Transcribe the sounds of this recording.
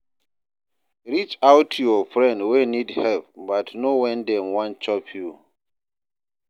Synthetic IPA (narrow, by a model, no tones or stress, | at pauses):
ɹit͡ʃawtʰjɔfɹɛ̃ndwenidhɛlp̚batnowɛ̃ndɛ̃mwãnt͡ʃɔpʰju